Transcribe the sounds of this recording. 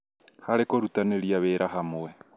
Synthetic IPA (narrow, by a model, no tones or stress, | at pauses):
haɾekoɾutaneɾiaβeːɾʔaɦamoe